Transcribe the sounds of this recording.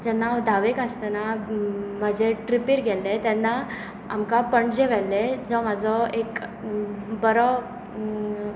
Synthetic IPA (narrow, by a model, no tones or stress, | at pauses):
d͡ʑɛnːad̪ʱaʋekəst̪ana | m̤əd͡ʑeʈɾipiːɾɡʱɛlːet̪ɛnːa | amkapəɳd͡ʑeʋɛlːed͡zɔmad͡zɔek | bəɾɔ